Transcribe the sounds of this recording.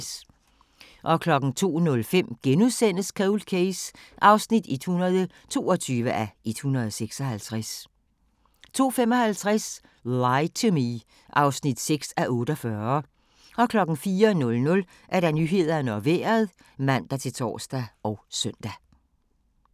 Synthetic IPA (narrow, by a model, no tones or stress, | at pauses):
s | ʔɒ̽kʰlɒ̽ɡ̥n̩t͡sʰo̝̰ːnɔ̽lfem̰ɡ̥enuðˠsen̰əskʰɛlkʰeɪsʔɑ̈ʊsnid̥ed̥hunɐð̞ˠə | t͡sʰo̝̰ːɒt͡sʰyːʋəʔæe̝d̥hunɐð̞ˠseɡ̥sɒ̽hælt͡sʰʁas | t͡sʰo̝̰ːfem̰ɒ̽hælt͡sʰʁas | lɑɪt͡sʰumi | ʔɑ̈ʊsnid̥seɡ̥sæʔɔ̽ːɾ̥əɒfɶɐ | ɒ̽kʰlɒ̽ɡ̥n̩fiːɐnɔ̽lnɔ̽l | ʔæɐɾænyɦe̝ð̰ˠɐnɒʋḛːɐð̞ˠ | mæn̰d̥ɑt͡sʰe̝lt͡sʰɒ̰ːsd̥æʔɒʊsœn̰d̥æ